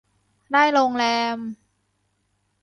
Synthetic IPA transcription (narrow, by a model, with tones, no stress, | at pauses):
daː˥˩jɾoː˧ŋlɛː˧m